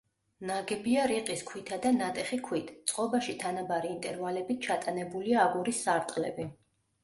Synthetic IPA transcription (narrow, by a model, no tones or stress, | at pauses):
naɡɛbiaɾiqʼiskʰwit̪ʰad̪anat̪ʼɛχikʰwit̪ʰt̪sʼqʼɔbaʃit̪ʰanabaɾiːnt̪ʼɛɾvalɛbit̪̚t͡ʃʰat̪ʼanɛbuliaːɡuɾisːaɾt̪ʼlɛ̰bi